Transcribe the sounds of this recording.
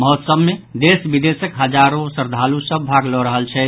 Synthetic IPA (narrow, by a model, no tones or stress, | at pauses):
məɦət̪səbmed̪esbid̪esəkɦəd͡ʒaɾosəɾd̪ʱalusəbːʱaɡlɔɾəɦəlt͡ʃʰɛ